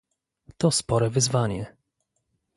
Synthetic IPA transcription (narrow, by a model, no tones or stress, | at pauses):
t̪ɔspɔɾɛvɘzvaɲɛ